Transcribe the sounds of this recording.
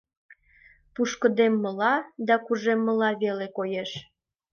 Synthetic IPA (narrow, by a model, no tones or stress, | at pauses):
puʃkəd̪emːəlɑd̪ɑkuʒemːəlɑβelekojeʃ